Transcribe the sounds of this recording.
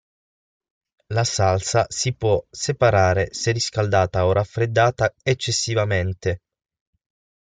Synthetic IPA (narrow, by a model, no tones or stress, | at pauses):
lasalsasipwɔsepaɾaːɾeseriskald̪aːt̪aorʔafɾed̪ːaːt̪aet͡ʃːesːivament̪e